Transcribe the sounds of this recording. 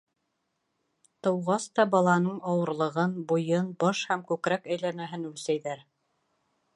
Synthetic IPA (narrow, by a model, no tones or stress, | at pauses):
t̪ɤ̆wʁɑst̪ɑbɑlˠɑnɤɴɑwɤ̆ɾlˠɤ̆ʁɤnbujɤnbɑʃhæmkʉkɾækæjlænæɦɘnʉlsæjðæɾ